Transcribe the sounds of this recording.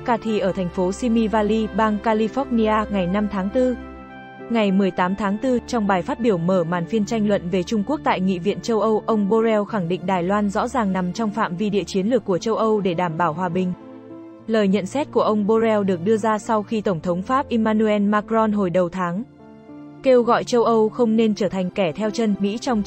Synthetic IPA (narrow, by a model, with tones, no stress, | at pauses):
kaː˧t̪ʰi˧˩ʔəː˧˩t̪ʰɛ˨˩jŋ̟fo˨˦si˧mi˧vaː˧li˧ɓaː˧ŋkaː˧li˧fɔ˦˥t̚ni˧ʔaː˧ŋa˨˩jna˧mt̪ʰaː˨˦ŋt̪ɨ˧ | ŋa˨˩jmɨ˨˩əjt̪aː˨˦mt̪ʰaː˨˦ŋt̪ɨ˧t͡ɕɔ˧wŋ͡mɓaː˨˩jfaː˦˥t̚ɓi˧˩əwməː˧˩ma̰ː˨˩nfi˧ənt͡ɕa˧jŋ̟lwə̰˧˨nve˨˩t͡ɕʊ˧ŋ͡mku˦˥ək̚t̪a̰ː˧˨jŋḭ˧˨vḭ˧˨ənt͡ɕə˧wʔə˧wʔə˧wŋ͡mɓo˧zɛ˧wxa˧˩ŋɗḭ˧˨ŋ̟ɗaː˨˩jlwaː˧nzɔ̰˧˥zaː˨˩ŋna˨˦mt͡ɕɔ˧wŋ͡mfa̰ː˧˨mvi˧ɗḭ˧˨ət͡ɕi˨˦ənlɨ˨˩əkːu˧˩ət͡ɕə˧wʔə˧wɗe˧˩ɗaː˧˩mɓaː˧˩whɦwaː˨˩ɓï˨˩ŋ̟ | ləː˨˩jɲə̰˧˨nsɛ˦˥t̚ku˧˩əʔə˧wŋ͡mɓo˧zɛ˧wɗɨ˨˩ək̚ɗɨ˧əzaː˧sa˧wxi˧t̪ə˧˩wŋ͡mt̪ʰə˨˦wŋ͡mfaː˦˥p̚ʔi˧maː˧nu˧ɛ˧nmaː˧kɾɔ˧nɦo˨˩jɗə˨˩wt̪ʰaː˨˦ŋ | ke˧wɣɔ̰˧˨jt͡ɕə˧wʔə˧wxə˧wŋ͡mne˧nt͡ɕəː˧˩t̪ʰa˨˩ŋ̟kɛ˧˩t̪ʰɛ˧wt͡ɕə˧nmḭ˧˥t͡ɕɔ˧wŋ͡m